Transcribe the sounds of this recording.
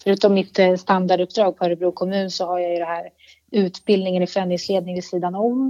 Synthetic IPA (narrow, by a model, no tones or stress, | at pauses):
fœɾʉ̟ːt̪ɔmːɪt̪ːst̪and̪aɖɵpːd̪ɾɑːɡ̚fʰœːɾɛbɾuːkʰɔmʉ̟ːnsɔhaɾjajɵd̪ɛnɦæːɾ | ʉ̟ːt̪bɪld̪nɪŋənɪfɾɛnd̪ɪŋsleːd̪nɪŋvɪsiːd̪anɔm